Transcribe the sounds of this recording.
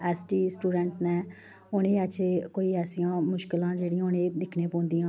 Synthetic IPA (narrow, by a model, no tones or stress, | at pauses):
ɛːsʈiːsʈuːɖɛːɳʈnɛ̃ː | ʊnẽːət͡ʃʰeːkoːiːɛːsijãːmʊʃkɪlãːd͡ʒeːɽijãːʊnẽːd̪ɪkʰneːpõːnd̪ijãː